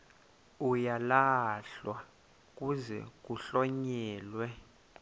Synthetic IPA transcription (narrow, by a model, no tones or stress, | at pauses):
ujalaɬwa | k̬ʼuzɛ̰k̬ʼuɬɔɲɛːlwɛ